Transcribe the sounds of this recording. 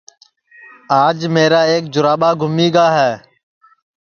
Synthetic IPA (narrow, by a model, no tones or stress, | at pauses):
aːd͡ʒmeːɾaːeːk̚d͡ʒʊɾaːɓaːɡʱʊmiːɡaːɦɛː